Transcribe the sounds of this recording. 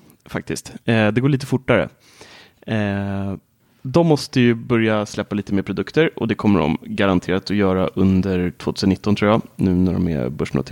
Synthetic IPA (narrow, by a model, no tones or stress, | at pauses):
fa̰k̚t̪ɪst̪ːd̪ɛɡoːɭiːt̪əfʊʈːaɾə̰ | d̪ɔmːɔst̪əjɵbœɾjaslɛpːaliːt̪əmeːɾpʰɾʊd̪ɵkt̪əɾɔ̰d̪ɛkʰɔmːəɖɔ̰mɡaɾant̪ʰeːɾat̪ɔjœːɾaʔɵnd̪əɾʈʰv̥oːt̪ʰʉ̟snɪt̪ːɔnt̪ʰɾuːjanʉ̟ːnæɖɔ̰mɛ̰bɵʂno̰t̪